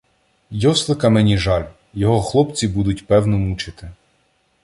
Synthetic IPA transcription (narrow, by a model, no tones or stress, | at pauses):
jɔslˠɪkɐmɛnʲiʒɑlʲ | jɔɦɔxlˠɔpt͡sʲibud̪ʊtʲpɛwnɔmut͡ʃɪt̪ɪ